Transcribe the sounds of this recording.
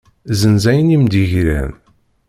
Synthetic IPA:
zənzæjənimd̪iʝɾæ̰n

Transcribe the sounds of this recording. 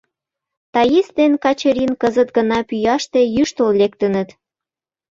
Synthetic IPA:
t̪ɑjisd̪enkɑt͡ɕəɾʲinkəzə̆t̪ɡə̆nɑpyjɑʃt̪ejyʃt̪ollek̚t̪ə̆nə̆t̪

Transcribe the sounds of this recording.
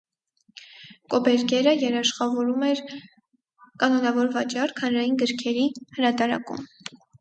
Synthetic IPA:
kɔbɛɾkɛɾəjɛɾɑʃχɑvɔɾumɛɾ | kɑnɔnɑvɔɾvɑt͡ʃɑɾkʰhənɾɑjinɡəɾkʰɛɾihəɾɑt̪ɑɾɑ̰kṵm

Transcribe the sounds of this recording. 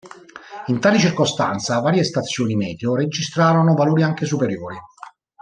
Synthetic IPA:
int̪aːlit͡ʃirkost̪a̰nt̪savaːɾjest̪at̪sːjoːnimɛːd̪jored͡ʒist̪ɾaːɾonʊvaloːɾiaŋkesupeɾjoːɾi

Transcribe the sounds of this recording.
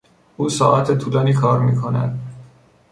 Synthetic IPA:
ʔuːsɒːʔæt̪ʰet̪ʰuːlɒːniːkʰɒːɾmiːkʰo̞næ̰d̪̥

